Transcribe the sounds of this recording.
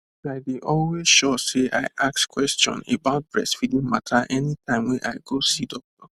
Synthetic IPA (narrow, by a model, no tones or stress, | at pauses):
aɪbiʔɔlwez̥ʃɔseʔa̰ɪʔakskwɛstɔ̰̃nḛbaʊt̚bɹɛ̰sfidĩŋmatʰaʔɛnitʰãɪ̃mwɛ̃nʔa̰ɪɡosidɔk̚tɔ